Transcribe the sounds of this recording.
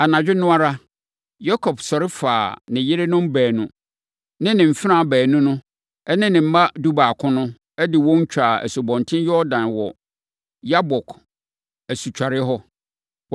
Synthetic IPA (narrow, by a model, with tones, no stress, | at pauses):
a˨nã˨d͡ʑᶣɪ˦nʊ̃˦a˦ɾa˦ | jɔ˦kʰɔ˨bsɔ˨ɾɪ˦faː˨nɪ̃˨jɪ˦ɾɪ˦nʊ̃˦m˦bɛː˨nʊ̃˦ | nɪ̃˦nɪ̃˨m̩˨fɪ˦ɾã˨bɛː˨nʊ̃˦nʊ̃˦ | ɛ˦nɪ̃˦nɪ̃˨m̩˦mã˦du˦ba˨kʰʊ̃˦nʊ̃˦ | ɛ˦dɪ˨wɔ̃˦ɲ̩˦t͡ɕʰᶣa˨ɛ̰˨sʊ˨bɔ̃˨ntʰɪ̃˦jɔ˦dã˨nwɔ˨ | ja˦bɔ˨kʰ | æ˨su˨t͡ɕᶣa˨ɾɪ˦ɦɔ˦